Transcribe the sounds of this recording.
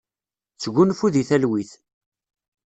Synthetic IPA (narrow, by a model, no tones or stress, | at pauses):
t͡sːəɣʷunfuðiθælwiθ